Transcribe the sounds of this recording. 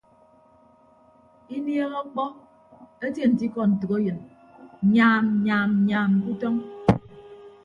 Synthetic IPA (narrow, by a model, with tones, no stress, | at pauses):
i˦nje˦ɣɔ˦k͡pɔ˦ | e˦te˦˨n̩˨ti˦kɔ˦n̩˨tu˨ɣe˦jɨ˨n˨ | ɲaː˨m˨ɲaː˨m˨ɲaː˨m̩˨ku˦tɔ˦ŋ